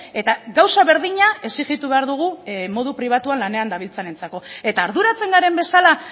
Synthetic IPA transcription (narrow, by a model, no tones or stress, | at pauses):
e̞t̪aɡawsaβe̞ɾðiɲae̞siɣit̪uβe̞aɾðuɣ̞umo̞ð̞upɾiβ̞at̪uanlane̞and̪aβ̞ilt͡sane̞nt͡sako̞e̞t̪aːɾðuɾat͡se̞ŋɡaɾe̞mbe̞sala